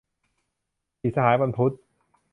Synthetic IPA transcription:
i˨˩sa˧haː˩˦jba˧npʰu˦˥t̪̚

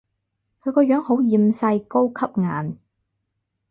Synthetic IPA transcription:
kʰɵ˨˧ɥkɔː˧jœː˨˥ŋho˨˥wjiː˨˧msɐ˧jko˥wkʰɐ˥p̚ŋa̰ː˨n

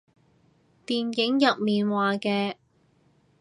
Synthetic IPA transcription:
t̪iː˨nkɪ˨˥ŋjɐ˨t̚miː˨nwaː˨˧kɛː˧

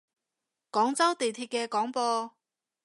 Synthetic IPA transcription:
kɔː˨˥ŋt͡sɐ˥wt̪e˨jt̪ʰiː˧t̚kɛː˧kɔː˨˥ŋpɔː˧

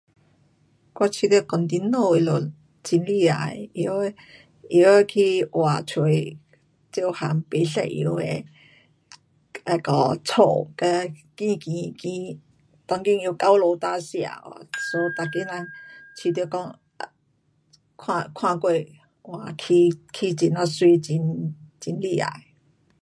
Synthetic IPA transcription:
kwa˥˧t͡ɕʰi˧˩t̪ːkɔ˨˩nt̪i˧˦nːo˥˧i˧lo˨˩ | t͡ɕi˧nli˥˧˨a̰˨˩i˧˦˧ | i˧˦˧kʰi˧wa̰˨˩t͡sʰwe˧ | t͡ɕjo˥˧ha̰˨˧ŋpe˨˦sa̰˧˨ʔʔḭ˧˦e˧ | a˧kɔ˧t͡sʰo˨˧˩kə˧˦kĩ˧kĩ˨˧kĩ˧˦ | t̪ɔ˧ŋkĩ˥˧˨ŋju˧˦ka˦wlo˧˦t̪a˦ɕja̰˧˨a̰˨so˧˦t̪a˨ki˦na˧ŋt͡ɕʰi˧˩t̪kɔ˥˧ŋ˧˨ | kʰwã˧kʰwã˥˧kwe˥˧ | wa˨˩kʰi˧kʰi˧t͡ɕi˧na˧˩swi˧˦t͡ɕi˧nt͡ɕi˧nli˧˩a̰˨j

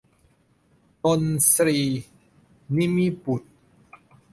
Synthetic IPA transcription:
to˧nsɾiː˧ | ni˦˥mi˦˥pu˨˩t̪̚

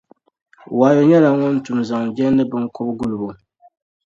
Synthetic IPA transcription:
waː˨jo˨ɲɛ˦la˨ŋɔ˦n˦tu˨mza˨ŋd͡ʒɛ˦nː˦ɨ˦bɨ˦ŋkɔ˦bɡu˦lu˨bo˨

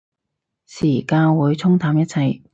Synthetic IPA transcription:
siː˨˩kaː˧wuː˨˧jt͡sʰʊ˥ŋt̪ʰaː˨˧mjɐ˥t̚t͡sʰɐ˧j

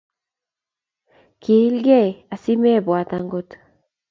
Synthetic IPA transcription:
kʰi˨˦lɡɛ˦˨a˨si˦mɛ˦˨bwa˨ta˨ŋɡo˦t

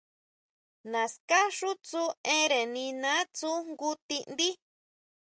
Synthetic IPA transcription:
nã˨ska˦ʂu˦t͡su˦ẽ˦ɾe˨nĩ˧nã˦t͡su˦ŋɡu˦t̪i˦˧ʔnd̪i˦

